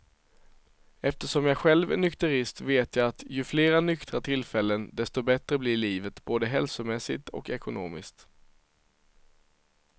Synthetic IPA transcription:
ɛft̪əʂɔmjaːɧɛlvɛnʏkt̪ɵɾɪst̪veːt̪ʰjaːat̪jɵfleːɾanʏkt̪ɾat̪ʰɪlfɛlːənd̪ɛst̪ɔbɛt̪ɾəblɪɭiːvət̪boːd̪əɦɛlsʊmɛsːɪt̪ʰɔ̰kɛkʊno̰ːmɪ̰skt̪

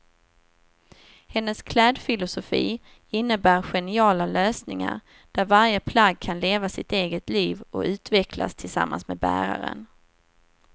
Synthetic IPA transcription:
hɛnːəskʰlɛːd̪fɪlʊsʊfḭː | ɪnːəbæːɾɧɛnɪɑːlaløːsnɪŋa̰ɾ | d̪̥æɾvaɾjəpʰlaɡ̚kʰanleːvasɪt̪eːɡət̪liːvɔʉ̟ːt̪vɛkʰla̰st̪ʰɪlsa̰mːa̰nsmɛbæ̰ːɾa̰ɾə̰n

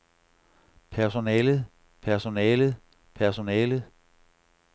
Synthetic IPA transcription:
pʰæɐso̝nɛːlð̩ˠ | pʰæɐso̝nɛːlð̩ˠ | pʰæɐso̝nɛːlð̩ˠ

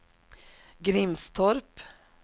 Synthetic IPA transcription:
ɡɾɪmst̪ʰɔɾp

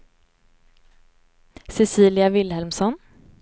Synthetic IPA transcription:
sɛsiːlɪavɪlhɛlmsɔn

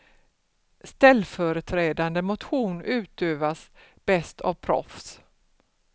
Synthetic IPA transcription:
st̪ɛlːfœɾət̪ʰɾeːd̪and̪əmʊt̪ɧuːnʉ̟ːt̪øːvasb̥ɛst̪ʰa̰vpʰɾɔ̰fs

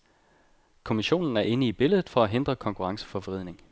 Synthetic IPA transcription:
kʰo̝miɕo̝̰ːnn̩æɐʔe̝nəib̥e̝ləð̞̩ˠfɒ̽æɦend̥ʁɐkʰɒ̽ŋkʰuʁɑ̈ŋsə̥fɒ̽ʋəʁið̰ˠne̝ŋ

